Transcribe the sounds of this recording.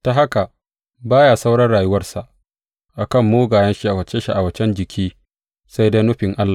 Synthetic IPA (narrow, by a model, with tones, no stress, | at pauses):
ta˨ɦa˦ka˨ | baː˦jaː˨sa˦wɽɐ˦rɽaː˨jʊ˦wɐ˦rsa˨ʔ | ʔa˨kɐ˦˨mːoː˦ɡaː˨jɐ˦nʃi˦ʔa˨wɐ˨t͡ʃe˦ʃi˦ʔa˨wɐ˨t͡ʃɛ˦nd͡ʒɪ˨kʲʰiː˦ | sa˦jda˦nʊ˦ɸɪ˨ŋʔa˦lːa˨